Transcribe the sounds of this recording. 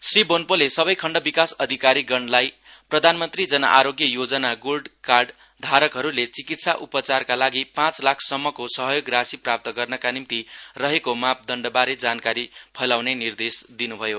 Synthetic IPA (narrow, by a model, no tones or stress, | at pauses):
sribonpolesʌbʌjkʰʌɳɖʌbikasʌd̪ʱikaɾiɡʌɳlaj | prʌd̪ʱanmʌnt̪rid͡zʌnʌ̰ʔaɾoɡjʌjod͡zʌnaɡolɖkarɖ | d̪ʱaɾʌkɦʌɾulet͡sikit̪saʔupʌt͡sarkalaɡipãt͡slakʰsʌmːʌkosʌɦʌjoɡrasiprap̚t̪ʌɡʌrnʌkanimt̪irʌɦekomap̚ʰd̪ʌɳɖʌbaɾed͡zankaɾipʰʌlawnenird̪esd̪inubʱʌjo